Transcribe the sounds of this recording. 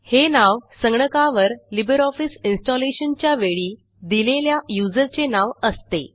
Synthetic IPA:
henaʋsəŋɡɳəkaʋəɾlibəɾɔfisinsʈɔleɕənt͡ɕjaʋeɭiː | d̪ileljajud͡zəɾt͡senaʋəst̪e

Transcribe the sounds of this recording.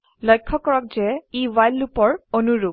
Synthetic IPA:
lɔjkʰːɔkɔɹɔk̚zɛiwajlupɔɹonuɹu

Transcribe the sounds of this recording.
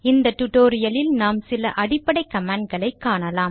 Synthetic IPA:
ɪnd̪ɐt̪ʊʈoːɾɪjɐlɪlnaːmsɪlɐʔɐɽɪpːɐɽɐɪkːɐmaːɳɖ̚ɡɐɭɐɪkːaːɳɐlaːm

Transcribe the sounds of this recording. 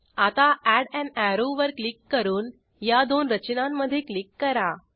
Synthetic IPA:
at̪aæɽɛ̃ɳɖæɾoʋəɾklikːəɾuːn | jad̪onɾət͡ɕnãmːəd̪ʱːjeklikːəɾa

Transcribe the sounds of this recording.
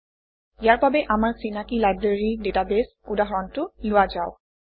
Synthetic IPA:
ijaɹbabɛʔamaɹsinakilajbɹeɹidetabes | udaɦɔɹɔntʊlʊazaʊ

